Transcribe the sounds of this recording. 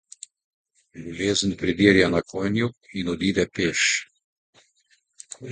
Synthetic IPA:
luleːznpɾid̪iːɾjanakʰoːjnjuinɔd̪iːd̪ɛpeːʃ

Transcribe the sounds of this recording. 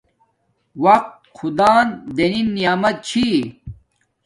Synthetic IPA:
wɐq̚t̪̚xʰud̪aːnd̪eninːijaːmɐt̪̚t͡ɕʰi

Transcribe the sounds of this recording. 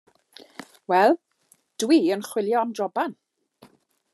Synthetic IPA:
wɛlˠ | d̥wiənχwɪljɔamdrɔban

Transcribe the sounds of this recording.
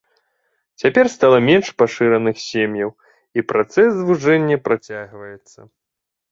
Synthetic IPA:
t͡sʲapʲɛrst̪alˠɐmʲɛnʂpaʂɨɾɐnɨxsʲemjɐw | ipɾat̪sɛsːvuʐɛnʲːɐpɾat͡sʲaɣvɐjɛt̪sːɐ

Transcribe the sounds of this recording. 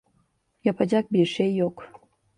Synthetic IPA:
jɑpad͡ʑʲɑk̚biʃejok

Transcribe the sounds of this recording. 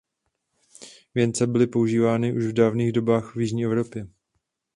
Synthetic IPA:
vjɛnt͡sɛbɪlɪpo̞uʒiːvaːnɪʔuʃvdaːvniːɣdo̞baːxvjɪʒɲiːʔɛvɾo̞pjɛ

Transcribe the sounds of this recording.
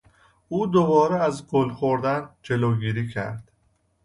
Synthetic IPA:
uːd̪obɒːɾeæzɡolxoɾd̪ænd͡ʒe̞loɡiːɾiːcʰæ̰ɾd̪̥

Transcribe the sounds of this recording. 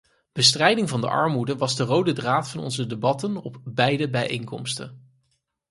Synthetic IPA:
b̥əstrɛjdɪŋvɑndə̰ʔɑ̰ɹmudəʋɑzdərowdədraːtfɑnɔ̰nzədebɑtənɔpbɛjdəbɛjʔḛjŋkɔ̰mstə̰n

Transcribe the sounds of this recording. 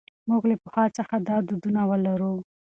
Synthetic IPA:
muɡlepəxɑt͡səxad̪ɑd̪ud̪unawəlaɾu

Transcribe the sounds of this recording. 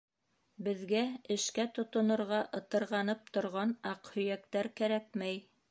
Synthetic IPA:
bɘ̆ðɡæɘ̆ʃkæt̪ŏt̪ŏnŏɾʁɑʔɤ̆t̪ɤ̆ɾʁɑnɤp̚t̪ŏɾʁɑnɑqhɵ̆jækt̪æɾkæɾæk̚mæj

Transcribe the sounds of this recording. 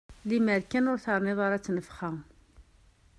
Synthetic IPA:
limæɾkænʊɾθəɾˤnɪðˤaɾat͡sːnəfχæŋ

